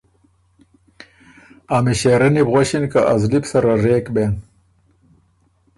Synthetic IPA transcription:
amiɕeːɾɐnibɣwaɕinkaʔazlipsɐɾaɾeːkben

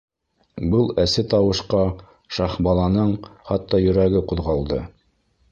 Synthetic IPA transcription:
bɤlˠæsɘt̪ɑwɤ̆ʃqɑ | ʃɑχbɑlˠɑnɤɴχɑt̪ːɑjɵ̆ɾæɡɘquðʁɑlˠd̪ɤ

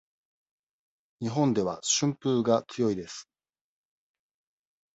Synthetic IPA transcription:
ɲ̟iɦõ̞nd̪e̞βa̰ɕɨ̃mpɯːɡat͡sɨjo̞id̪e̞sɨ̥

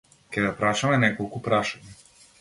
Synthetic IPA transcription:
kʲɛd̪apɾaʃamɛnɛkɔlˠkupɾaʃaɲa

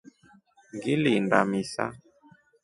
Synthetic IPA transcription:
ŋɡilindamisa̰

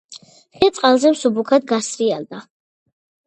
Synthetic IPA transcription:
χɛt̪sʼqʼalˠzɛmsubukʰad̪̚ɡasɾiald̪a

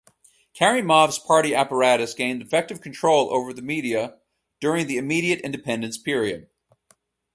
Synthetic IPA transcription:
kʰɛɹimɑvz̥pʰɑɹɾiæpə˞æɾɨsɡ̥ẽɪ̃ndɨfɛk̚tɨv̥kʰn̩tʰɹ̥oʊlˠo̰ʊvə˞ðɨmiɾiɨ | d̥ʊɹɪ̃ŋðiɨmiɾiɨɾɪ̰̃ndɨpʰɛ̃ndɨ̃nspʰɪɹiɨ̰d̥̚

